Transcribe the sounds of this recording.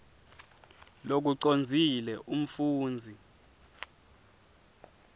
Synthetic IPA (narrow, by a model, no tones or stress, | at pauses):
lok̬uǀond͡zʱilɛʔum̩fuːnd͡zʱi